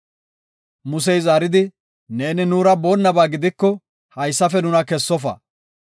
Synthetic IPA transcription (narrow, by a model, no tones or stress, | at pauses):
mʊs̬ɛjzaːɾɪd̪ɪ | ne̞ːnɪnuːɾɐboːnːɐbaːɡɪd̪ɪkːɔ | hɐjsːɐfɛnʊnɐkɛsːɔfɐ̰